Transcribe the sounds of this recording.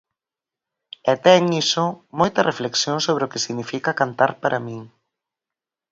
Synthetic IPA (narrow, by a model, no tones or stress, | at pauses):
ɛt̪ɛŋisʊmojt̪ɐrefleksjoŋsoβ̞ɾeokesiɣnifikakant̪aɾpaɾʔamĩŋ